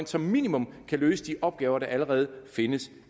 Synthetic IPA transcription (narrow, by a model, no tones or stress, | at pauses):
nsɒ̽mːḭːnimɔ̽mkʰælø̰ːsəd̥iʔɒ̽b̥̚ɡ̥ɛːʊɐɾ̥ɑ̈ʔæləʁɛːð̞̩ˠfe̝nəs